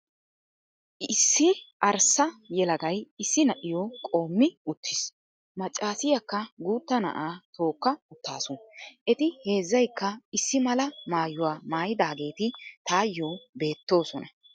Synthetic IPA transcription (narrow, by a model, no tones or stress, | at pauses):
sːɪʔɐɾsɐjɛlɐɡɐjɪsːɪnɐʔɪjɔkʼo̞ːmːɪʊt̪ːɪs | mɐt͡ʃʼːaːsɪjɐkːɐɡuːt̪ːɐnɐ̰ʔaːt̪ʰo̞ːkːɐʊt̪ːaːsʊnʔɛt̪ɪhe̞ːzːɐjkːɐɪsːɪmɐlɐmaːjʊwaːmaːjɪd̪aːɡe̞ːt̪ɪt̪aːjːoːbe̞ːt̪ːo̞ːsɔnɐ